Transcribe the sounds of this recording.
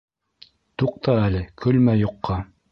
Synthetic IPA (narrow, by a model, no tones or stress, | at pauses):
t̪uq̚t̪ɑælɘkʰɵ̆lmæjoqːɑ